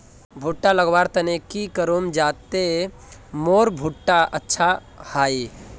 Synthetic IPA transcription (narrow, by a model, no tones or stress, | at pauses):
bʱuʈːaləɡʋaːɾt̪ɐnekikəɾomd͡ʒaːt̪e | moːɾbʱuʈːaʔətːʃʰa | haːi